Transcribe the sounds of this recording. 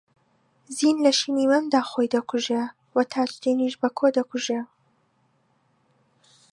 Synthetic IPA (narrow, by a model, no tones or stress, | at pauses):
ziːnlɐʃinimɨnd̪aːxojd̪ɐkʰuʒe | wɐt̪ʰaːt͡ʃt̪iniʃbɐkʰoːd̪ɐkuʒe